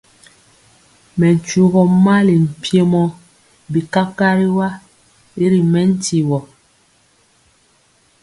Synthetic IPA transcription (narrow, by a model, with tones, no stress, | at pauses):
mɛ˨n˨t͡ʃu˨ɣɔ˨ma˦li˨m̩˨pje˦mɔ˦ | bi˨ka˦ka˦ɾi˦wa˦ | i˦ɾi˨mɛ˦n̩˦ti˨wɔ˨